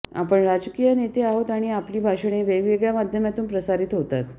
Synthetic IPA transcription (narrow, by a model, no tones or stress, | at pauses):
a̰pəɳɾad͡zkijənet̪eaɦot̪aɽ̃iapliːbʱaʂɽ̃eʋeɡʋeɡɭjamad̪ʱjəmjat̪uːnpɾəsaɾiːt̪ɦot̪at̪